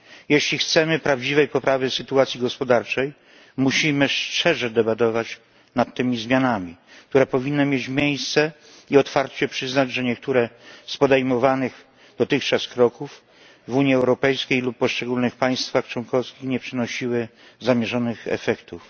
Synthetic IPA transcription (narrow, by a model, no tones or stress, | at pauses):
jeɕlʲixt̪sɛmɘpɾavd͡ʑivɛjpɔpɾavɘsɘt̪uat̪sʲjiɡɔspɔd̪aɾt͡ʂɛj | muɕimɘʂt͡ʂɛʐɛd̪ɛbat̪ɔvat͡ɕ | nat̪t̪ːɘmʲizmʲjanamʲikt̪uɾɛpɔvʲinːɨmʲjet͡ɕmʲjejst̪sɛ | iɔt̪faɾt͡ɕɛpʂɘznad͡ʑʐɛɲɛk̚t̪uɾɛspɔd̪ɛjmɔvanɘɣ | d̪̥ɔt̪ɘxt͡ʂaskɾɔkuf | vuɲiɛwɾɔpɛjskʲejlupːɔʂt͡ʂɛɡulnɘxpaj̃st̪faxt͡ʂwɔŋkɔfskʲixɲɛpʂɘnɔɕiwɘzamʲjɛʐɔnɘxɛ̰fɛkt̪uf